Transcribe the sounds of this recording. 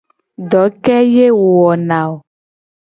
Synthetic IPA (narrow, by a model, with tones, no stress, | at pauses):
dɔ˨˦kɛ˦je˦wɔ˨nã˨o˨